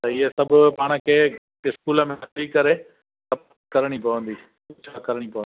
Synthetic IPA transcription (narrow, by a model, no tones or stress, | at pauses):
t̪ɐɪɦesɐbʱʊ̆paːɽ̃ə̆kʰeː | ɪskuːlə̆mẽɐt̪ikɐɾe | sɐp̚ | kɐɾɽ̃ipɐʋə̃nd̪iːst͡ɕʰakɐɾəɽ̃ipɐʋə̃nd̪i